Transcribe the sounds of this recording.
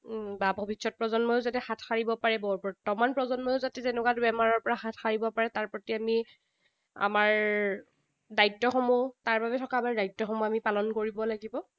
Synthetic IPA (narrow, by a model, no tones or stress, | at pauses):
babʱobisɔt̚pɹɔzɔnmɔjʊzatɛxatʰxaɹibɔpaɹɛbɔɹbɔɹtɔmanpɹɔzɔnmɔjoʊzatɛzɛnɛkwatʊbɛmaɹɔɹpɔɹaxatʰxaɹibɔpaɹɛtaɹpɹɔtiami | a̰maɹ | dajtːɔxɔmɔtaɹbabɛtʰɔkaːmaɹdajtːɔxɔmuamipalɔnkoɹibɔlaɡibɔ